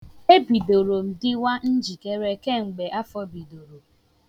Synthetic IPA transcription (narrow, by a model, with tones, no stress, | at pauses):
e˦bi˨do˨ɾo˨m̩˨dɪ˦wa˦n̩˦d͡ʒi˨ke˦ɾe˦ke˦ŋ͡m̩˨ɡ͡be˨ʔa˦fɔ˦bi˨do˨ɾo˨